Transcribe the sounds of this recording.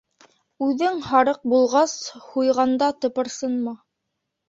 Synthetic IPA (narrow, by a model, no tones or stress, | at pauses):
ʉðɘŋhɑɾɤq̚bulˠʁɑshujʁɑnd̪ɑt̪ɤ̆pɤ̆ɾsɤnmɑ